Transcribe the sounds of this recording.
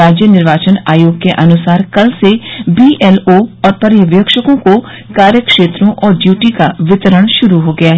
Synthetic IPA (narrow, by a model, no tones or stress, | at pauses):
aːd͡ʒjənɪɾʋaːt͡ʃənaːjoːɡ̚keʔɐnʊsaːɾkɐlsebiːʔɛːloɔːɾpɐɾjəʋjəkʃəkõko | kaːɾjəkʃeːt̪ɾõʔɔːɾɖjuːʈikaʋɪt̪əɾəɽ̃ʃʊɾuɦoɡɐjaɦ